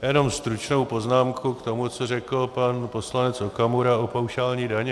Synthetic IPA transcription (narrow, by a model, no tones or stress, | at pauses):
jɛno̞mst̪ɾut͡ʃno̞wpo̞znaːmkʰukt̪o̞mut͡sorɛkl̩panpo̞slanɛt͡sokamuɾaopawʃaːlɲiːdaɲɛ